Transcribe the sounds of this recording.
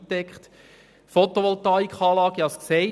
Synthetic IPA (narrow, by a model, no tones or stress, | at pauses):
tːɛkχt | fɔt̪oʋɔlt̪ɑikχɑːlɑːɡ̥iɑsksɛɪ